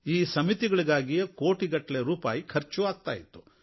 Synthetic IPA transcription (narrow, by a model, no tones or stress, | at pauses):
iːsɐmit̪iɡɐɭiɡaːɡijɐko̞ːʈiɡɐʈːɐleɾuːpa̰ːjikʰɐɾt͡ʃuʋaːɡ̚t̪a̰ːjit̪ːu̥